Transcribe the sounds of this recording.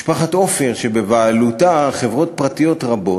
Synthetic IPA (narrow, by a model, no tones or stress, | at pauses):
ʃpaχat̪o̞fe̞ʁʃebe̞vaːlutaχe̞vʁo̞t̚pʁat̪ijo̞tʁabo̞